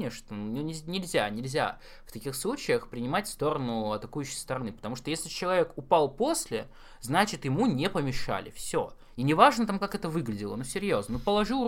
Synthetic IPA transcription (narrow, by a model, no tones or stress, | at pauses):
eʂnənʲnʲɪnʲɪlʲzʲanʲɪlʲzʲa̰ | ft̪ɐkʲixslˠut͡ɕɪjəxpɾʲɪnʲɪmatʲfst̪o̞ɾənʊɐt̪ɐkujʉɕːɪjst̪əɾɐnɨpət̪ɐmuʂt̪ojesʲlʲɪt͡ɕɪlˠɐvʲe̞kʊpalˠpo̞sʲlʲɪ | znat͡ɕɪt̪jɪmunʲepəmʲɪʂa̰lʲɪ̰fsʲo | inʲɪvaʐnət̪amkakɛt̪əvɨɡlʲɪdʲɪlˠənusʲɪɾʲjoznənupəlˠɐʐɨ